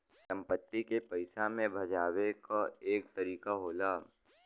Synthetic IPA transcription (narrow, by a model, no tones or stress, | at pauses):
sɐ̃mpət̪ːikepɐɪsamẽbʱɐd͡ʒaːwekaeːk̚t̪ɐɾiːkaɦoːlaː